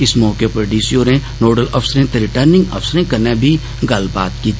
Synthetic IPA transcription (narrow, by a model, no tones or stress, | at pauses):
ɪsmɔːkepɾoɖiːsioɾẽnoːɾɖəlɔfsəɾɦẽt̪eɾɪʈəɾnɪ̃ŋɡɐ̰fsəɾẽkɐɾnebʱi | ɡɐlba̰ːt̪kiːt̪ʰː